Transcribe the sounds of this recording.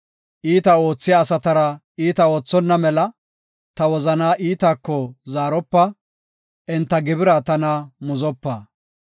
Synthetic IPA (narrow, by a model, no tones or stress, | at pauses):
ʔiːt̪ɐo̞ːt͡sːɪjaːsɐt̪ɐɾɐ | iːt̪ɐo̞ːt͡sːɔnːɐmɛlɐ | t̪ɐwɔzɐnaːʔiːt̪aːkːɔzaːɾɔpːɐ | ʔɛnt̪ːɐɡɪbɪɾɐt̪ɐnɐmʊzɔpːɐ